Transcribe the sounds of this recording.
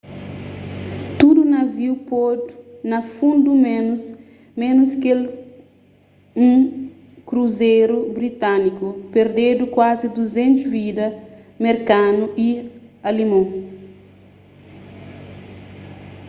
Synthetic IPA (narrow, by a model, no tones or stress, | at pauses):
t̪udunɐviwpɔdnɐfũnd̪umen | mẽnuskel | ũ | kɾuzejɾubɾit̪anikupeɾd̪ed̪ukwazid̪uzẽnt̪uzvid̪ɐ | meɾkanuʔialimõ